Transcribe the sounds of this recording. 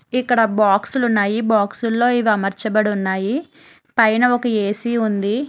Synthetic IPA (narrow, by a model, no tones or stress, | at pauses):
ikːɐɽɐbaːksulunːaːjibaːksulːo̞ːiʋiɐmɐɾt͡ʃɐbɐɽunːaːji | pɐjnɐɔkɐe̞ːsiund̪i